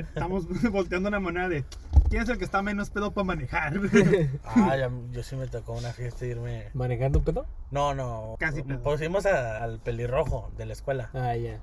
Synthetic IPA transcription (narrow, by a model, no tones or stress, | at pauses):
st̪amozβo̞lt̪ejand̪ounlamaneɾaðe̞ | kjenes̬elk̬est̪ame̞no̞speðopamane̞xaɾaʝaʝo̞sime̞t̪okounafje̞st̪aiɾmemanexand̪oupeðononokas̬ipeðpos̬imo̞saːlpe̞liro̞xo̞ðe̞laeskwe̞laaja